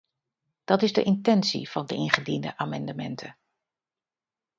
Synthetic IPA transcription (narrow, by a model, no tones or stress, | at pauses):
d̥ɑtɪzdə̰ʔɪntɛnsḭv̥ɑndəʔɪnχədində̰ʔaːmɑndəmɛ̰ntʰə